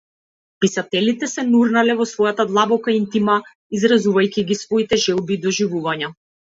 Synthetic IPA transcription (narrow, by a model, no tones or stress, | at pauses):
pisat̪ɛlit̪ɛsɛnuɾnalɛvɔsvɔjat̪ad̪lˠabɔkaint̪ima | izɾazuvajcʲiɡisvɔit̪ɛʒɛlˠbiːd̪ɔʒivuvaɲa